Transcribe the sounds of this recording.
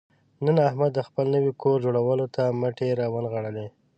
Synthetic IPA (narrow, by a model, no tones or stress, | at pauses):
nənahmad̪ːəxpəlnəwikoɾd͡ʒoɽawəlot̪amaʈeɾɑwanɣaɽale